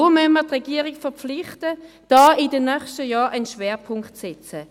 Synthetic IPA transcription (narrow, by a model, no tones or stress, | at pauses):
omœnmətʁɛɡiːəʁikfɛɐpp͡flɪχtə | d̥ɑːɪdənœχʃtəjɑːʔanʃvɛːʁpʰʊŋktsɛt͡sə